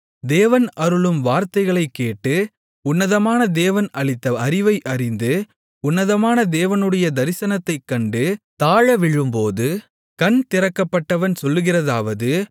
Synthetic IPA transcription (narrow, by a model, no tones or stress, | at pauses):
d̪eːʋɐnɐɾɯɭɯmʋaːɾt̪ɐɪɣɐɭɐɪkːeːʈːɯ | ʊnːɐðɐmaːnɐd̪eːʋɐnɐɭɪt̪ːɐɐɾɪʋɐɪʔɐrɪnd̪ɯ | ʊnːɐðɐmaːnɐd̪eːʋɐnɯɽɐjɐd̪ɐɾɪsɐnɐt̪ːɐɪkːɐɳɖɯt̪aːɻɐʋɪɻɯmpoːðɯ | kɐnt̪ɪrɐkːɐpːɐʈːɐʋɐnsɔlːɯɣɪrɐðaːʋɐðɯ